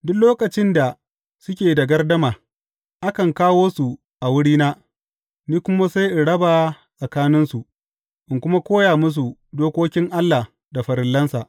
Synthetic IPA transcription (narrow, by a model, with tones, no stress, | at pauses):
dʊ˦kloː˦kɐ˨t͡ʃɪ˦nda˨ | sʊ˦kʲeː˨da˨ɡɐ˦rdɐ˦maː˨ | ʔa˦kɐ˨ŋkaː˦woː˦su˨ | ʔa˨wʊ˦ɽiː˦naː˦ | niː˦kʷʊ˦ma˦sa˦jʔɪ˨ɽɐ˦baː˨ | sɐ˨kaː˦nɪ˦nsu˨ʔ | ʔɪ˨ŋkʷʊ˦ma˦kʷoː˦jaː˨mʊ˦s̬u˨doː˦kʷoː˦kʲɪ˦ŋʔa˦lːa˨ | da˨ɸɐ˨ɾɪ˨lːɐ˦nsa̰˨ʔ